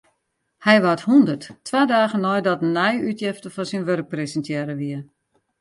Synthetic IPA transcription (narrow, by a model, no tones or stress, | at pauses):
hɛjʋathundərttʰːʋaːdaːɣənɔjdɔtnɛjytjɪftəfɔnsinʋørk̚presəntjɛːɾəʋiə